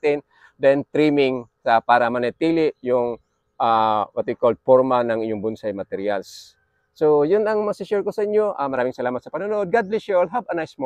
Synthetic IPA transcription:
t̪ɪn | d̪ɛnt̪ɾimɪŋsɐpaːɾɐmɐnet̪iːlɪʔjʊŋ | ʔawat̪ikold̪̚foɹmanɐŋʔɪɲʊŋbʊnsajmɐt̪ɛɾjalsː | ojʊnɐŋmɐsɪʃɛɹkosɐʔɪɲjo̞ʔamɐɾaːmɪŋsɐlaːmɐt̪sɐpɐnunoʔod̪̚ɡad̪̚liʃolɦabɐnajsmo

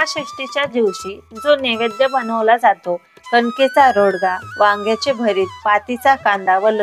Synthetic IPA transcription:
aɕiʂʈit͡ɕjad͡ʑiʋɕiːd͡zoneʋed̪jəbənəʋlad͡zat̪o | kənket͡saɾoɽɡaʋãŋɡjat͡ɕebʱəɾiːt̪̚pat̪it͡sakãnd̪aʋələ

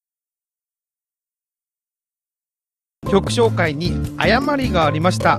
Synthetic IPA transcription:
kʲo̞kɯ̟̥ɕo̞ːkaiɲ̟ia̰jamaɾʲiɡaːɾʲimaɕi̥t̪a

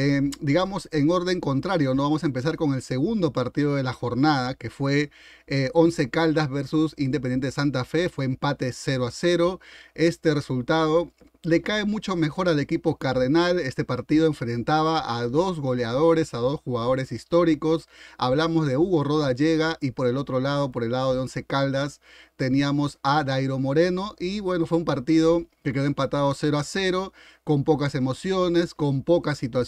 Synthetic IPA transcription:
ed̪iɣamo̞se̞ŋo̞ɾðe̞ŋko̞nt̪ɾaɾjo̞noβamos̬aempe̞s̬aɾko̞ŋe̞lse̞ɣund̪o̞paɾt̪iðo̞ð̞e̞laxo̞ɾnaðake̞fwe̞ | o̞nse̞kald̪azβeɾsusind̪epenent̪eesant̪̬afe̞fwe̞ːmpat̪e̞seɾoase̞ɾo̞e̞st̪e̞re̞sult̪að̞o̞ | le̞kae̞mut͡ʃo̞me̞xo̞ɾale̞kipo̞kaɾðenale̞st̪e̞paɾt̪iðo̞e̞ɱfɾe̞nt̪aβaaðo̞zɣo̞leað̞o̞ɾe̞saðo̞sxuɣað̞o̞ɾe̞sist̪o̞ɾiko̞saβlamozðe̞uɣo̞ro̞ðaʝe̞ɣaʔipo̞ɾe̞lo̞t̪ɾo̞lað̞o̞po̞ɾe̞lːaðo̞ð̞eo̞nse̞kald̪as | t̪e̞niamo̞sadajɾo̞mo̞ɾe̞no̞ʔiβwe̞no̞fwe̞umpaɾt̪iðo̞keke̞ðoempat̪aðo̞se̞ɾoase̞ɾo̞ | ko̞mpo̞kase̞mo̞sjo̞ne̞sko̞mpo̞kasit̪wa

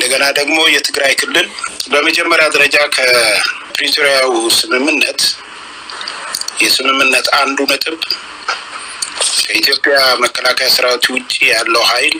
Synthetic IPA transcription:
ʔɨd̪əɡənad̪əɡmo̞jɛt̪ʰɨɡɾajkʰɨlːɨlbəməd͡ʒɛmːəɾjad̪əɾəd͡ʒakʰəpɾit̪ʰoɾijawsɨmɨmːɨnːət̪ | jɛsɨmɨmːɨnːət̪and̪unɨt̪ʼɨβ | kʰəit̪ʰjo̞pʼjaməkːəlakʰəjasɨɾawot̪ʰiwʊt͡ʃʼːijalːəwhajl

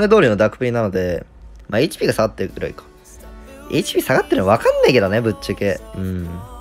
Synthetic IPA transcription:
ne̞d̪o̞ːɾʲino̞d̪akɯ̥pɯ̟ɾʲinano̞d̪e̞ | mʔaeːt͡ɕi̥pʲiːɡasaɡat̪ːeɾɯ̟ḭkḁ | ḛːt͡ɕi̥pʲiːsaɡat̪ːeɾɯβakãnːaike̞d̪o̞ne̞bɯ̟t͡ɕt͡ɕːakeɯ̟̃ɴ

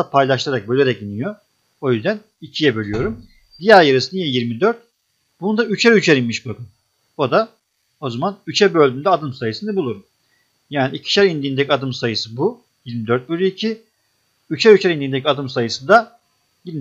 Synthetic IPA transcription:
apʰajlˠaʃt̪ʰɯaɾak̚bølʲeɾɛcinijo | o̞jyzd̪æn | icʰijɛbø̞lʲyjo̞ɾum | d̪ijæɾjeɾisɯnijɛjiɾmid̪øɾt̪̚ | b̥unud̪ayt͡ʃʰɛɾyt͡ʃʰɛɾinmiʃbakɯm | o̞d̪a | o̞zamanyt͡ʃʰɛbø̞lʲdynd̪ɛad̪ɯmsajɯsɯnd̪abulˠuɾum | jaːniicʰi̥ʃæɾind̪iːnd̪ɛcʰʲiad̪ɯmsajɯsɯbu | jiɾmid̪øɾt̪̚bølʲyicʰi | yt͡ʃʰɛɾyt͡ʃʰɛɾind̪iːnd̪ec̬ʰʲiad̪ɯmsajɯsɯnd̪a | jiɾm

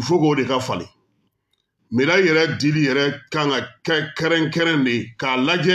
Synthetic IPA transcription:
fokoodekafalḭ̃ | medajɛɾɛdilijɛɾɛkãŋkakɛkɛɾɛ̃ŋkɛɾɛ̃ndekalad͡ʒɛ

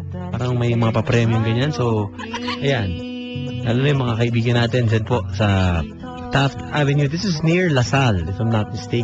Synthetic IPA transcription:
paːɾɐŋmɐjmɐŋapɐpɾɛːmjʊŋɡɐɲanso̞w | ʔɐjan | d̪aːlonɐjʊmɐŋakɐʔɪbiːɡɐnaːt̪ɛnd͡ʒɐnpo̞sɐ | t̪aft̪ʔavɛnjud̪ɪsɪsniɹlɐsald̪ɪsamnɐt̪̚mɪst̪e

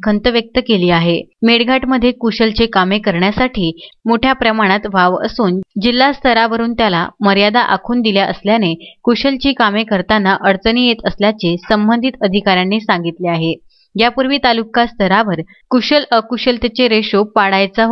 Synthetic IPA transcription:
kʰənt̪əʋjək̚t̪əkeliːaɦemeɽɡʱaʈməd̪ʱːjekuɕəlt͡ɕekamekəɾɳjasaʈʰiːmoʈʰjapɾəmaɽ̃at̪ʋaʋə̰suːnd͡ʑilːast̪ʰəɾaʋəɾuːnt̪jala̰məɾjad̪aʔa̰kʰuːnd̪iljaʔə̰sljanekuɕəlt͡ɕiːkamekəɾt̪anːaʔəɾt͡səniːjet̪əsljat͡ɕesəmbənd̪ʱit̪əd̪ʱikaɾjanːesaŋɡit̪leaɦe | japuɾʋiːt̪alukast̪ʰəɾaʋəɾ | kuɕələkuɕəlt̪jat͡ɕeɾeɕopːaɽajt͡sa

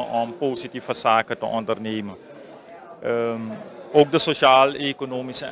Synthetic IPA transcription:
ʔɔmpoːsitifəsaːkətəʔɔndərneːmə | oːk̚dəsoʃaːlekonoːmisə

